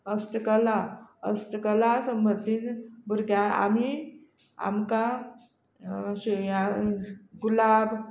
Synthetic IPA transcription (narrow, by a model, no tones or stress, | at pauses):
əst̪kəlaəst̪kəlasəmbəɾt̪iːnbuɾɡjãa̰mi | a̰mka | ɕja | ɡulab